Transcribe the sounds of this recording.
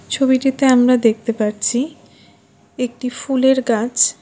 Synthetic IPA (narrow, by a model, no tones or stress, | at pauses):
t͡ɕʰobiʈit̪eamɾad̪ek̚ʰt̪epaɾt͡ɕʰi | ek̚ʈifuleɾɡat͡ɕʰ